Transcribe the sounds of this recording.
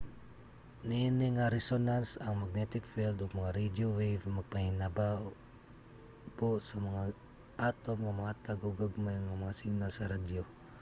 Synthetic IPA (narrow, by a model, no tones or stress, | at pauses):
ninɪŋaɾɛsonansɐŋmaɡ̚nɛt̪ɪkfild̪oɡmɐŋaɾid̪jowejvmɐɡ̚pɐhɪnaba | posɐmɐŋa | ʔat̪omŋamɐŋat̪aɡoɡaɡmaŋamɐŋasɪɡnalsɐɾad̪jo